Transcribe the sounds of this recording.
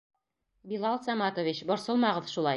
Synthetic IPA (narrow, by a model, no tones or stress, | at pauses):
bilˠɑlˠsɑmɑt̪ovʲit͡ɕbŏɾsɤlˠmɑʁɤðʃulˠɑj